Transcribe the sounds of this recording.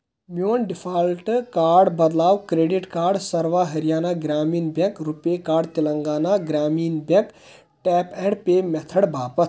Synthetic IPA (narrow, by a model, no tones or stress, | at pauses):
mjoːnɖipʰalʈkaːɖbəd̪laːwkɾeːɖiʈkaːɾɖsəɾʋaɦəɾijaːnaɡɾaːmiːnbẽŋkɾupekaːɾɖt̪iləŋɡaːnaɡɾaːmiːnbẽk | ʈɛpɛɽpemɛt̪ʰəɽbʱaːpət̪ʰ